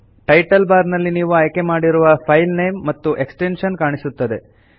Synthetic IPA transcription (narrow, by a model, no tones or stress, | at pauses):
ʈɐjʈɐlbaːɾnɐlːiniːʋuɐjke̞maːɽiɾuʋɐpʰɐjlnejmːɐt̪ːuʔe̞ksʈenʃɐnkaːɳisut̪ːɐd̪e̞